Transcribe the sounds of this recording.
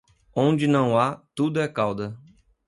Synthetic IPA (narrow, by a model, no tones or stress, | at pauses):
õd͡ʒɪnɐ̃w̃at̪ud̪ʊɛkawd̪ɐ